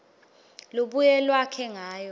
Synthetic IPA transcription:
luɓujɛlwakʰɛŋaːjɔ

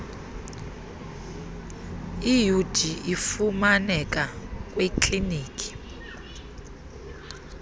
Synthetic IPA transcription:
ijud̥ʱiifumanɛk̬ʼak̬ʼwekʰʼliniːkʼi̥

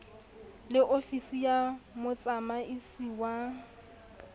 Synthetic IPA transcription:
lɪʔofisijamʊt͡sʼamaisiwa

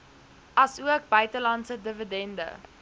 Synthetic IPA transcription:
ɐsuək̚bœɥtəlɐnsədəvədɛndə̰

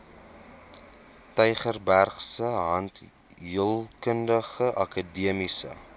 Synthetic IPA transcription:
tɛjχərbærχsəɦɐnt | ɦəlˠkəndəχəʔɐkədiəmisə̰

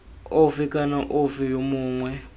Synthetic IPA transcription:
ovikʼanaʔovijomuːŋwɛ

